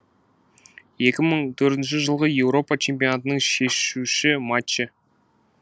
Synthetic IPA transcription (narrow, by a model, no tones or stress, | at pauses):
je̞kʲɪməɴt̪ʰɵɾt̪ɪnʃ̬ɪʒəlˠʁəje̞wɾo̞pɑt͡ʃʰe̞mp̬ʲijo̞nat̪ənəɴʃe̞ʃuʃɪmat͡ʃːe